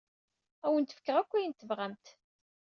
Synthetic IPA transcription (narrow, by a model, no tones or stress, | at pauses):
æwənt̪ːə̥fə̥kːəʁækʷːijənt̪ːəvʁæmt̪